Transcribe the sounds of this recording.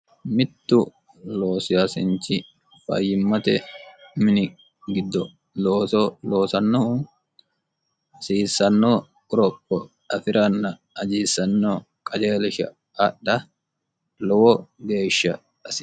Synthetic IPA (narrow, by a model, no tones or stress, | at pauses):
mɪt̪ːʊ | loːsɪjaːsɪnt͡ʃːɪ | fɐ̰jːɪmːɐt̪ɛmɪnɪ | ɡɪd̪ːɔ | loːsloːsɐnːo | ɐsiːsːɐnːoː | ɔɾɔpːɔ | ɐfɪɾɐnːɐ | ɐd͡ʒiːsːɐnːoː | kʼɐd͡ʒeːlɪʃɐ̰ | ɐɗːɐ | lɔwɔɡe̞ːʃːɐ̰ | ɐs